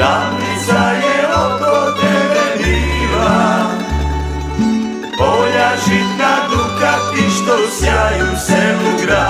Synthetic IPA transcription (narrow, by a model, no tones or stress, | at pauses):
amisajɛok̪od̪ɛɛdiʋa | boʎaʒit̪kad̪lukasiʃt̪osjajusɛuɡɾa